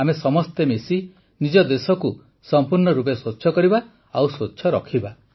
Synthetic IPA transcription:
amesɔmɔst̪emesi | nid͡ʒɔd̪esɔku | sɔmpuɾnɔɾup̬esotːʃʰɔkɔɾiba | awsotːʃʰɔɾɔkʰiba

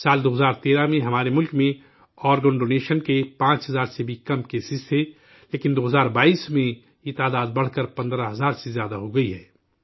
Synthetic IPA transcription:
saːld̪oːɦəzaːɾt̪eːɾamẽɦɐmaːɾemʊlkmẽ | ɔːɾɡənɖoːneːʃənkepãːt͡ʃɦɐzaːɾsebʱikɐmkeːsɪsʰɛ | leːkɪnd̪oːɦəzaːɾbaːiːsmẽ | jet̪aːd̪aːd̪̚bɐɽ̤kəɾpɐ̃nd̪ɾaɦɐzaːɾsezjaːd̪aɦoɡɐiɦɛː

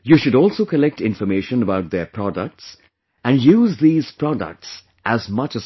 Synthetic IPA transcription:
juːʃʊɖɔːlsoːkəlɛk̚ʈɪ̃nfɔɾmeːʃə̃nəbaʊʈ̚d̪epʰɾɔɖə̰k̚ʈs | æ̃nɖjuːzd̪iːz̥pɾɔɖə̰k̚ʈs | ʔæzmʌt͡ʃəz

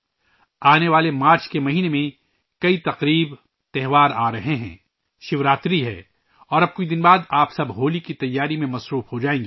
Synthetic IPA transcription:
aːneʋaːlemaːɾt͡ʃkemɐɦiːnemẽ | kɐit̪ɐqɾiːb | t̪ɛɦʋaːɾaːɾɐɦeɦɛ̰̃ː | ʃɪʋɾaːt̪ɾiɦɛ̰̃ː | ɔːɾɐb̚kʊid̪ɪnbaːd̪aːpsɐbɦoːlikit̪ɐjːaːɾimẽmɐsɾuːfɦod͡ʒaːẽːŋɡiː

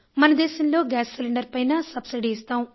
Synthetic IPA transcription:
mɐnɐd̪ɛːʃɐmlo̞ːɡaːsːilɐɳɖɐɾpɐjnɐsɐbsiɖiːst̪aːm

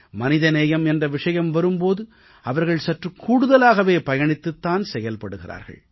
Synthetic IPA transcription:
mɐnɪðɐneːjɐmɛndrɐʋɪʂɐjɐmʋɐɾɯmpoːðɯ | ɐʋɐɾɣɐɭsɐʈrɯkːuːɽɯðɐlaːɣɐʋeːpɐjɐɳɪt̪ːɯt̪ːaːnsɛjɐlpɐɽɯɣɪra̰ːɾɣɐ̰ɭ

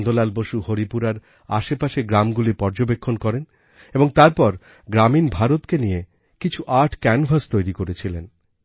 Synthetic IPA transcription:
nd̪olalboʃuhoɾipuɾaɾ | a̰ʃepaʃeɡɾamɡulipɔɾd͡ʑobekʰːonkɔɾen | eboŋt̪aɾpɔɾ | ɡɾaminbʱaɾot̪kenije | kit͡ɕʰuʔaɾʈʰkɛnvʱast̪ojɾikoɾet͡ɕʰilen

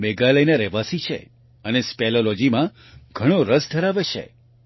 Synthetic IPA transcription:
meɡaləjnaɾɛʋasit͡ʃʰḛ | ənespɛlolod͡ʒimã | ɡʱəɽ̃oɾəsd̪ʱəɾaʋet͡ʃʰḛ

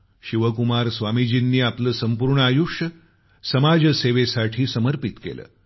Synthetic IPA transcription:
ɕiʋəkumaɾsʋamid͡ʑiːnːiːapləːsəmpuɾɳəajuʂə | səmad͡ʑseʋesaʈʰiːsəməɾpit̪kḛlə̰ː

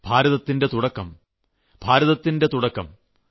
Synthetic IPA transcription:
b̥ʱaːɾɐðɐt̪ːinde̞t̪uɽɐkːɐm | bʱaːɾɐðɐt̪ːinde̞t̪uɽɐkːɐm

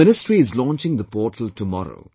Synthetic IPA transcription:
ɪnɪsʈɾiɪzlɔ̃ːnt͡ʃɪ̃ŋd̪əpɔːʈʰəl̩ʈumɔ̰ɾo̰ʊ

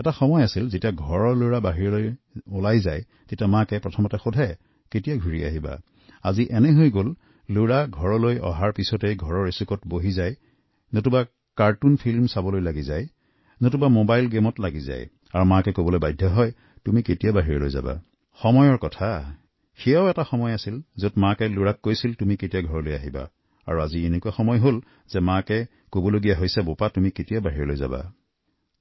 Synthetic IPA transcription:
ɛtaxɔmɔjasilzetijaɡʱɔɹɔloɹabaɦiɹilojolajzaj | tetiamakɛpɹɔtʰɔmɔtɛxodʱɛ | ketijaɡʱuɹia̰ɦiba̰ | aziʔɛnɛɦojɡol | loɹaɡʱɔɹɔlojɔ̰ɦaɹpisɔtejɡʱɔɹɔɹesukɔtboɦizaj | notuba | kaɹtunpʰilmsabɔlojlaɡizaj | notubamobajlɡemɔtlaɡiza̰j | aɹumãkɛkobɔlojbajdʱːɔɦɔj | tumiketijabaɦiɹɔlo̰jza̰ba̰ | xɔmɔjɔɹkɔtʰa | xijaʊɛtaxɔmɔjasilzotmãkɛluɹakːojsiltumiketijaɡʱɔɹɔlojaɦiba̰ | a̰ɹuazienekuaxɔmɔjɦol | zɛmãkɛ | kobɔloɡijaɦojsɛbopatumiketijabaɦiɹɔlojza̰ba̰

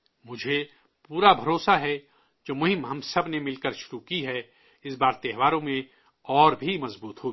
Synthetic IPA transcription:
mʊd͡ʒʱe | puːɾabʱɐɾoːsaɦɛ | d͡ʒoːmʊɦɪ̃mɦɐmsɐbnemɪlkəɾʃʊɾukiɦɛ | ɪsbaːɾt̪ɛɦʋaːɾõmẽ | ɔːɾbʱimɐzbuːt̪ɦoːɡ

